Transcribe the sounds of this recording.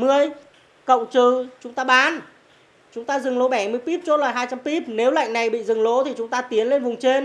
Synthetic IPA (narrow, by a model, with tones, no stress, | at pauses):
mɨ˧əj | kə̰˧˨wŋ͡mt͡ɕɨ˧˨˩t͡ɕʊ˨˦ŋ͡mt̪aː˧ɓaː˨˦n | t͡ɕʊ˨˦ŋ͡mt̪aː˧zɨ˨˩ŋlo˨˦ɓɛ˧˩mɨ˧əjpi˦˥p̚t͡ɕo˦˥laː˨˩ɦaː˧jt͡ɕa˧mpi˦˥p̚ne˨˦wla̰˧˨jŋ̟na˨˩jɓḭ˧˨zɨ˨˩ŋlo˨˦t̪ʰi˨˩t͡ɕʊ˨˦ŋ͡mt̪aː˧t̪i˨˦ənle˧nvʊ˨˩ŋ͡mt͡ɕe˧n